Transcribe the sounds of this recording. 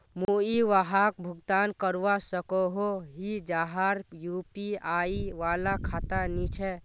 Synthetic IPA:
muiʋaɦak̚bʱuɡt̪ankəɾʋasəkoɦoɦid͡ʒaɦaɾjupiaiʋalakʰat̪anit͡ʃʰɛ

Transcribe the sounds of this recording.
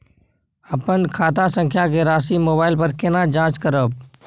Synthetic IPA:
əpənkʰaːt̪asə̃ŋkʰjakeɾaːsimoːbaːɪlpəɾkɪnad͡ʒãːt͡ʃkəɾəb̚

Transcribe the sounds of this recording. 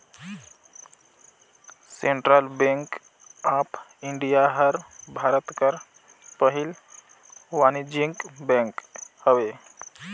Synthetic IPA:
seɳʈɾalbẽŋk | apiɳɖijaɦəɾbʱaɾət̪kəɾ | pəɦil | ʋanid͡ʒiŋkbɛ̃ŋkhəwe

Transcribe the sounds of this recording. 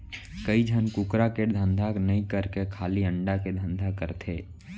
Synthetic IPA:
kəid͡ʒʱənkʊkɾakeʈd̪ʱə̃nd̪ʱaknɐɦĩkəɾkekʰaːliə̃ɳɖaked̪ʱə̃nd̪ʱakəɾt̪ʰeː

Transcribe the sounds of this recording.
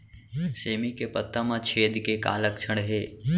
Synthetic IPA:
seːmikepət̪ːamãt͡ʃʰeːd̪keka̰ːləkt͡ʃʰəɽɦeː

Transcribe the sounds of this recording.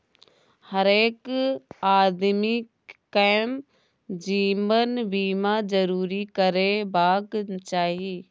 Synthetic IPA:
həɾeːkaːd̪mɪkː | am | d͡ʒiːmənbiːmad͡ʒəɾuːɾikəɾebaːɡt͡ʃaːɦiː

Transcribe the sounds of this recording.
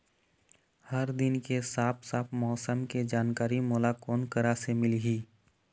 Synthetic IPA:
həɾd̪ɪnkesaːpʰsaːpʰmɔːsəmked͡ʒaːnkaːɾimɔːlakoːnkəɾasemɪlɦiː

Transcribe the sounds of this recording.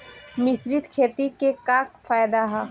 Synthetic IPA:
mɪsɾɪt̪kʰeːt̪ikekaːkfaːjd̪aɦa

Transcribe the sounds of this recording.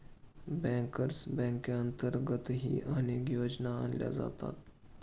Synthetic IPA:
bɛ̃ːŋkəɾsbɛ̃ːŋkeənt̪əɾɡət̪ɦḭʔaneːkjoːd͡ʒnaa̰ːnlʲja̰za̰t̪a̰ːt̪

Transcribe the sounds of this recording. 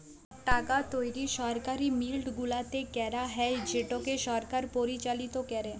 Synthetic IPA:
ʈaɡat̪ojɾiʃɔɾkaɾimilɖɡulat̪ekɛɾaɦɛd͡ʑeʈokeʃɔɾkaɾpoɾit͡ɕalit̪okɛɾe

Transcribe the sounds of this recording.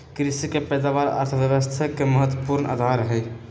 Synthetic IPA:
kɾisikepɛd̪aʋaɾə̰ɾt̪ʰəʋjəʋəst̪ʰakːeməɦət̪wəpuɾnʔa̰d̪ʱaɾɦɛj

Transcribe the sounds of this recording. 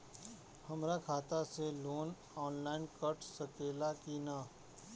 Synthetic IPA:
hɐmɾakʰaːt̪aseloːn | ɔːnlaːɪnkəɾʈʰsəkeːlakinaː

